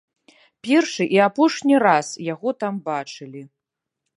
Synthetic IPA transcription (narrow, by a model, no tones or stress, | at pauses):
pʲɛrʂɨʔiapɔʂnʲirasjaɣɔt̪ambat͡ʂɨlʲi